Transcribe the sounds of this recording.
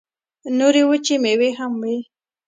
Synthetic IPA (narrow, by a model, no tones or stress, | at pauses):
noɾewət͡ʃemeweɦamwe